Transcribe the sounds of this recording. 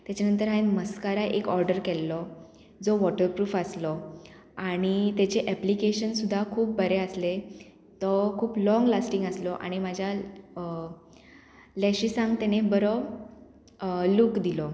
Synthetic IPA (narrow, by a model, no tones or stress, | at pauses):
t̪jat͡ɕanənt̪̬əɾɦaenməskaɾaʔekɔɾɖəɾkɛlːɔ | d͡zɔʋɔʈəɾpɾuːfaslɔ | aɽ̃it̪at͡ɕeʔɛplikeɕənsud̪ʱːakʰuːp̚bʱəɾeəsle | t̪ɔkʰuːplɔ̃ŋɡlasʈĩŋɡəslɔʔa̰ɽ̃imad͡ʑʱja | lɛɕiːsãŋɡt̪añebəɾo | lukd̪ilɔ